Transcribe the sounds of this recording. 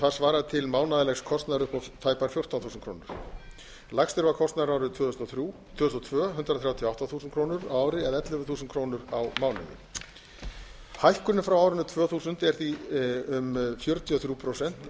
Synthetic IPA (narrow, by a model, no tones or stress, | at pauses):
θað̥svaːɾaðt̪ʰɪlmaːwnaðɪlɛxskʰɔst̪naðɾʏhpɔt̪ʰaːjpaɾ̥fjowr̥t̪anθuːsnkʰɾoːwnʏɾ̥ | lakxst̪ɪɾvakʰɔst̪naðɾaːwɾɪt̪ʰʏsɾut̪ʰvœːðʏst̪ɔt̪ʰvœːɦʏnt̪ɾaθɾjawt̪ʰjɔawht̪aθuːsʏnkʰɾoːwnʏɾaaːwɾɪɛðɛt̪lɛvʏθuːsʏnkʰɾoːwnʏɾawmaːwnʏ̰nːɪ̰ | hajhkʏnʏfɾawaːwɾɪnʏt̪ʰvœːθuːsʏnt̪ɛɾ̥θiʏmfjœɾt̪ʰiɔθɾjuːpʰɾɔosɛn̥t̪